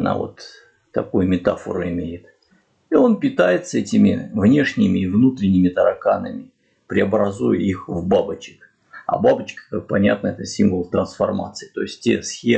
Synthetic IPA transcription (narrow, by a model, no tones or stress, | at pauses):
na̰vo̞̰t̪ː | ɐkojmʲɪt̪afə̰ɾɨɪmʲejɪt̪ | io̞npʲɪt̪ajɪt̪sɛtʲɪmʲɪ̰vnʲe̞ʂnʲɪmʲɪːvnut̪ɾʲɪnʲːɪmʲɪt̪əɾɐkanə̰mʲɪ | pɾʲɪɐbɾɐzujə̰ixvbabət͡ɕɪ̥k | ɐ̰babət͡ɕkə̥kak̚pɐnʲa̰t̪nəɛt̪əsʲimvəlˠt̪ɾənsfɐrma̰t̪sɨɪt̪o̞ɪsʲtʲtʲesxʲe